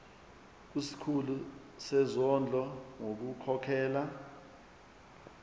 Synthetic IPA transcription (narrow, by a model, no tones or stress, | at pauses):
k̬isi̥kʰulu | sɛzɔnd͡ɮʱɔŋok̬ukʰɔkʰɛːla